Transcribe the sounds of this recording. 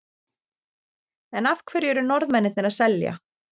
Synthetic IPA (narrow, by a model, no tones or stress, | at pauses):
ɛnafkʰvɛɾjɛɾʏnɔɾðmɛnːɪt̪nɪɾaðsɛlja̰